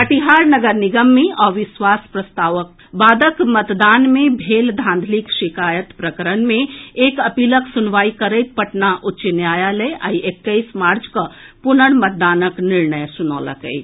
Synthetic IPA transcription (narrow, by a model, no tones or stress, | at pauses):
pəʈiɦaːɾnəɡəɾniɡəmːẽʔɔːʋɪsʋaːspɾəst̪aːʋək̚ | baːd̪əkmət̪d̪aːnmẽbʱeːld̪ʱãnd̪ʱlikʃikaːjət̪pɾəkəɾənmẽeːkəpiːləksʊnʋaːikəɾəjt̪̚pəʈnaʔʊtːt͡ʃinjaːjaləʔa̰iekːəɪsmaːɾd͡ʒkəpʊnəɽ̃mət̪̚d̪aːnəknɪɾnəjsʊno̰lə̰kə̰ɪt̪